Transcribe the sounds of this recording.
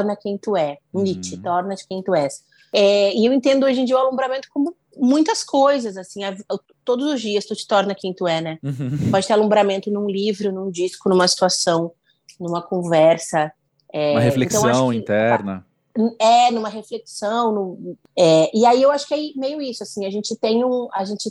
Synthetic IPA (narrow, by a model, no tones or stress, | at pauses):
ɾnɐkẽj̃t̪uɛ̃nit͡ʃɪt̪ɔɾnɐd͡ʒɪkẽj̃t̪uɛs | ɛɪewẽnt̪̬ẽnd̪ʊoʒẽd͡ʒiɐalõmbɾamẽnt̪ʊkõmʊ | mũj̃t̪ɐskʰojzɐzasĩa | t̪od̪ʊzʊzd͡ʒiɐst̪ut͡ʃɪ̥t̪ɔɾnɐkẽj̃t̪uɛnɛpɔd͡ʒɪt̪ealõmbɾamẽnt̪ʊnũlivɾʊnũd͡ʒiskʊnũmɐsi̥t̪uasɐ̃w̃ | nũmɐkõvɛɾsɐ | ɛɐheflẽk̪ɐ̃w̃ãʃʊw̃ĩɪ̃t̪ɛɾnɐ̰ | ɛnũmɐɦefleksɐ̃w̃nũ | ɛɪaiewaʃʊ̥kemejʊisʊasĩɐʒẽnt͡ʃɪt̪ẽj̃ũaʒẽnt͡ʃɪ